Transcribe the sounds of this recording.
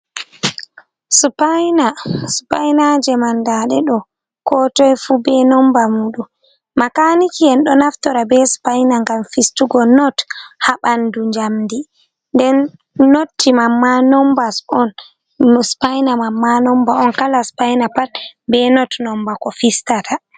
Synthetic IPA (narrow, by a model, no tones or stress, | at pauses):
spajnaspajnad͡ʒɛmandaɗɛɗɔ | kɔtɔjfubɛnɔmbamuɗumː | akanikijɛnɗɔnaftɔɾabɛspajnaŋɡamfistuɡɔnɔthaɓanduɲd͡ʒamdi | ndɛnː | otʰːimamːanɔmbasɔn | spajnamamːanɔmbaɔnkalaspajnapatbɛnɔtnɔmbakɔfistatʰa